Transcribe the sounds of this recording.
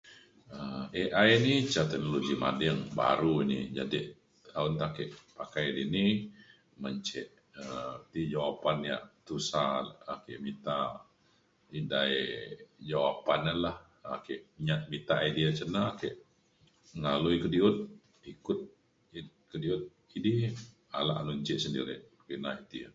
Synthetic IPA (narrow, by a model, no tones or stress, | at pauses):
əeʔajnit͡ʃat̪ɛnoloɡima̰dɛŋba̰ɾuinḭd͡ʒa̰diʔ | aunt̪akɛʔpakajdini | məɲt͡ʃɛʔ | t̪id͡ʒawapanja̰ʔt̪usaːkɛʔmit̪a | idaed͡ʒawapanəlah | akɛʔɲaʔmit̪aidiat͡ʃənakɛʔ | əŋaluikədiʊt̪̚ | ikʊt̪̚ | kədiʊt̪̚ | idi | a̰la̰ʔanuɲt͡ʃɛʔsəndḭɾɪ̰ʔ | kinait̪ḭ